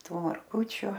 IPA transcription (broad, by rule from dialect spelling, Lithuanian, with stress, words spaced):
ˈtuː mɐrˈɡʊt͡ʃʲʊ